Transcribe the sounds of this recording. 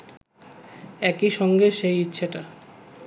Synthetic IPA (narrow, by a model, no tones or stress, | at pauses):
ɛkiʃɔŋɡeʃejitːɕʰeʈa